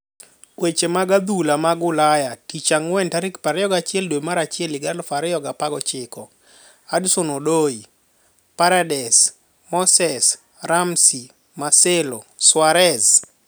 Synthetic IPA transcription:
wet͡ʃemaɡad̪ulamaɡʊlajatit͡ʃaŋwɛntaɾɪkpaɾɛjɔɡat͡ʃɪɛldwomaɾat͡ʃɪɛlɪɡalfaɾɛjɔɡapaɡɔt͡ʃɪkɔ | adsonodoi | paɾadɛs | mɔsɛs | ɾamsi | maseloswaɾɛz

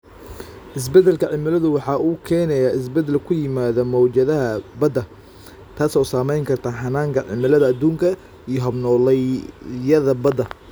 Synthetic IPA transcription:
ʔɪs̬bɛd̪ɛlkʰɐʕɪmɪlɐðʊwɑħɑʔuːkʰɛːnɛjaːɪs̬bɛd̪ɛlkʰʊjɪmaːðɔmɔwt͡ʃɐðɐɦɐbɐd̪ɐ | t̪ʰaːsɔːsaːmɛjŋkʰɐrt̪ʰaːħɑnaːŋkʰɐʕɪ̰mɪlɐðɐɐd̪uːŋkʰɐ | ijɞɦɐbnɔːlɛjɐðɐbɐd̪ɐ

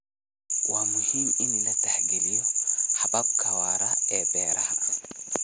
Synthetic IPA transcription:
waːmʊhiːmɪnlɐt̪ʰaħɡɛlijɔħɑbɐb̚kʰawaːɾɐɛːbɛːɾɐhɐ

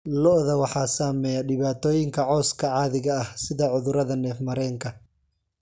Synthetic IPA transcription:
lɔʔðɐwɑħɑːsaːmɛːjɐɖɪβaːt̪ʰɔːjɪŋkʰɐʕɔːskʰɐʕɑːðɪɣɐɐhsɪðɐʕʊðʊɾɐðɐnɛːfmɐɾɛːŋkʰɐ

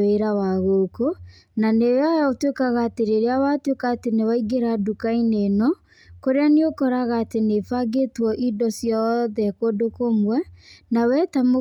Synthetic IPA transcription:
eɾawaɣoko | naneajaotwekaɣaːteɾeɾeawatwekaːtenewaiɡeɾadukainenɔ | koɾeaneokɔɾaɣaːtenefaɡetwɔʔidɔsjɔðɛkodokomwɛnawɛtamo

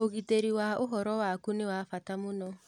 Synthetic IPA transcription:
oɣiteɾiwaoɦɔɾɔwakunewafatamonɔ

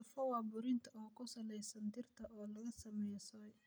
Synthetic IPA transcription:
fɐwɑːbʊɾɪnt̪ʰɐʔɔːkʰʊsɐlɛjsɐnd̪ɪrt̪ʰɐʔɔːlɐɣɐsɐmɛjsɔːj

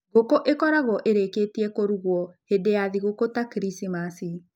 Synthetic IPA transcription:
ɣokoʔekɔɾaɣɔʔeɾekeːtiɛkoɾuɣwɔhedejaðiɣokotakɾisimasi

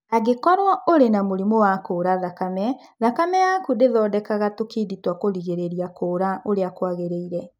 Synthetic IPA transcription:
aɣekɔɾwɔoɾenamoɾimowakoːɾaðakamɛðakamɛjakudeðɔːdɛkaɣatokiditwakoɾiɣeɾeɾiakoːɾaoɾeakwaɣeɾeiɾɛ

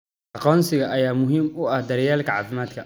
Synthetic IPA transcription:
ɑqɔːnsɪɣɐʔɐjaːmʊɦiːmʊɐhd̪ɐɾɪjaːlkʰɐʕɑ̰ːfɪmaːd̪kʰɐ

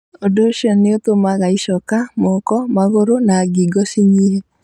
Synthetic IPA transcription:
odoʃjɔnɪot̪omaɣaiʃɔkamɔkɔmaɣoɾonaːɡiɡɔsiɲiɦe

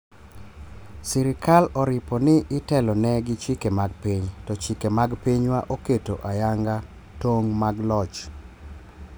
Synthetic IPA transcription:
siɾɪkalɔɾɪpɔnɪʔɪtɛlɔnɛɡɪt͡ʃikemaɡpiɲtɔt͡ʃikemaɡpiɲwaʔoketoʔajaŋɡa | toŋmaɡlɔt͡ʃ

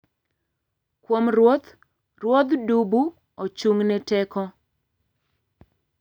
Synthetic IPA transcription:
kwomrwot̪ | rwod̪dubu | ot͡ʃuŋnɛtɛkɔ

